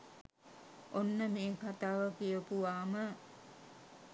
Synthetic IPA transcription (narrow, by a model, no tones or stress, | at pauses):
ʔonːəmeːkʰat̪aːʋəkijəpuʋaːmə